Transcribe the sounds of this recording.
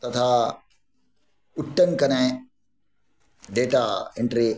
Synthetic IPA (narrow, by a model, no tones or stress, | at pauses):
t̪ɐt̪ʰaː | uʈːɐŋkɐne | ɖeːʈaːeɳʈɾi